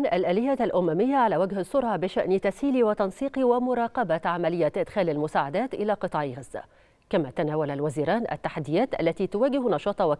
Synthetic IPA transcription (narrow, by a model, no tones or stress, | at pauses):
nʔalʔæːlɪjːalʔʊmæmɪjːaʕalæːwaɡhɑsːʊɾʕɑbɪʃaʔnt̪ashiːliwɪt̪ɑnsˤiːqiwɪmʊɾˤɑːqɑbat̪ʕamalɪjːaʔɪd̪xæːlalmʊsaːʕad̪æːt̪ʔɪlæqɨt̪ˤɑːʕiɣazːa̰ | kamat̪anaːwalalwaziːɾɑːnʔa̰t̪ːaħad̪ːɪjaːt̪ʔa̰lːat̪it̪ʊwaːɡɪhnɑʃɑːt̪ˤɑwɪ